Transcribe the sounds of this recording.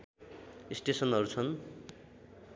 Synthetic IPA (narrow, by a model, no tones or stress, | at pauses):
isʈesʌnɦʌɾut͡sʰʌn